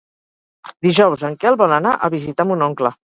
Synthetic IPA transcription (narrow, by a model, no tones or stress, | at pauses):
d̪iʒɔwzəŋkɛlˠβɔləna̰ʔəβizit̪amunɔŋklə